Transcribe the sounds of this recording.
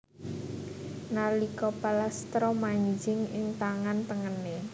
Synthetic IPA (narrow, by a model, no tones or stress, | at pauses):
nalikɔpalast̪ɾɔmaɲd͡ʒɪŋɪŋt̪aŋant̪əŋəne